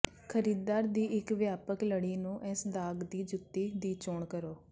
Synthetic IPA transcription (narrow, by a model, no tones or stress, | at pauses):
kʰəɾiːd̪aːɾd̪iːʔɪkʋjaːpəkləɽiːnũːʔɛːsd̪aːɡd̪iːd͡ʒʊt̪ːiːd̪iːt͡ʃoːɳkəɾoː